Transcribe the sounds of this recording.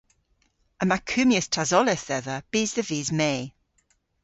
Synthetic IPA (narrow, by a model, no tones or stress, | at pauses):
əmakʰʉːmjəstʰazɔlɪθɛðəb̥iːzðəviːzmeː